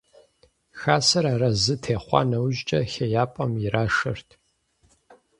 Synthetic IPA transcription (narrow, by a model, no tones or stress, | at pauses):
xaːsɐɾaːɾɐzɨtʰeːχʷɑ̰ːnɐwʒt͡ʃʼɐxɐjaːpʼɐmjɪɾaːʂɐ̰rtʰ